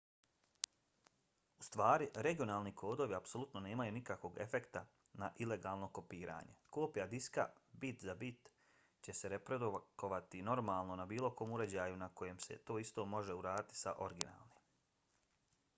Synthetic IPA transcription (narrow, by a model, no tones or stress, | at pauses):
ust̪ʋaːɾiɾe̞ɡijo̞naːlˠnikʰo̞ːd̪o̞ʋiapso̞lut̪no̞ne̞ːmajunikakʋo̞ɡe̞̰fe̞kt̪a | naʔile̞ɡaːlˠno̞ko̞piːɾʔa̰ːɲe̞̰ko̞ːpijad̪iska̰bit̪zabit̪ | t͡ɕe̞se̞ɾe̞pɾed̪ukoʋat̪ino̞ɾmaːlˠno̞nabiːlˠo̞ko̞ːmuɾe̞d͡ʑaːjunako̞je̞ːmse̞̰t̪o̞ːist̪o̞ːmo̞ʒe̞uɾaːd̪it̪i̥sa̰ʔo̞ɾɡina̰ːlˠnim